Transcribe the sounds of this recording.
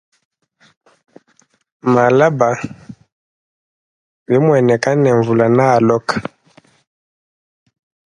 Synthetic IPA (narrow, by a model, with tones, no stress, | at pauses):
ma˨la˦ba˨ | βi˨˦mwɛ˨nɛ˨ka˦nɛ˨ɱvu˨la˨naː˦˨lɔ˦kḁ˨